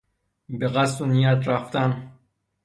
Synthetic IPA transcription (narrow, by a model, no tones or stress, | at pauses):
beɣæsunijæt̪ɾæft̪æn